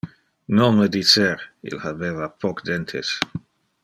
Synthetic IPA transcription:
nonməd̪it͡seɾḭlhabeːvapʰɔkd̪ent̪ʰes

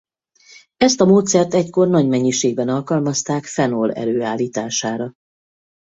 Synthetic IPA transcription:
ɛst̪ɒmoːt̪sɛrt̪ɛcko̞rnɒɟmɛɲːiʃeːɡ̚bɛnɒlkɒlmɒst̪aːkfɛnolɛ̰ɾøːaːlːiːt̪aːʃaːɾɒ

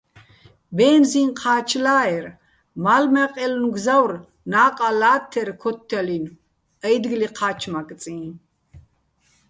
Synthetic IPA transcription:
bɛːnzinqʰaːt͡ʃʰlaːɛɾ | malmɛqʼɛlnuɡzawr | naːqʼalaːt̪ʰːɛɾkʰɔt̪ʰːɛlin | ɛjd̪ɡliqʰaːt͡ʃʰmak̪ʼt͡sʼĩː

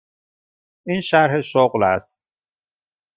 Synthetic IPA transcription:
iːnʃæɾɦeʃoɣlæ̰st̪̚

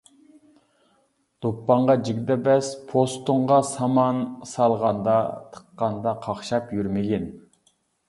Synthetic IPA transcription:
d̪̥opːɑɴʁɑd͡ʒiɡʲd̪ɛbɛspʰost̪uɴʁɑsɑmɑnsɑlˠʁɑnd̪ɑt̪ʰə̥qːɑnd̪ɑqʰɑχʃɑpjyɾmɪɡʲɛn

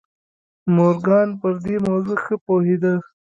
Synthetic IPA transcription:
moɾɡɑːnpəɾd̪imozuxəpohed̪a

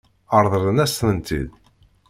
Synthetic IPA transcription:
əɾˤðˤəɾənæsnənt̪ḭð

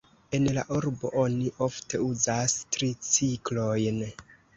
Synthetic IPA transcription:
e̞nla̰ʔuɾbo̞ʔo̞niʔo̞fte̞uzastɾit͡siklo̞jn

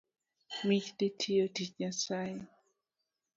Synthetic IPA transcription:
mit͡ʃtetʰioticɲasaj

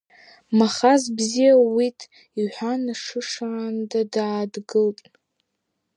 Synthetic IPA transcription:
maχazbzijawitʼ | iħʷanaʂɨʂaːndadaːdɡɨltʼ

